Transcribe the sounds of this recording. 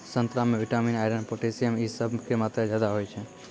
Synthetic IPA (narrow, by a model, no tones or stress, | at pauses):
sə̃nt̪ɾamẽʋɪʈaːminaɪɖənpoʈesijəmisəbʱkemaːt̪ɾad͡ʒjaːd̪aɦojt͡ʃʰe